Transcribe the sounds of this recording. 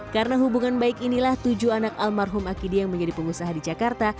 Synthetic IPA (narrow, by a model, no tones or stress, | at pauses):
karənaɦubuŋanbaɪkinilaht̪ud͡ʒuanakalmarɦumakidijaŋməɲd͡ʒadipəŋusaɦadid͡ʒakart̪a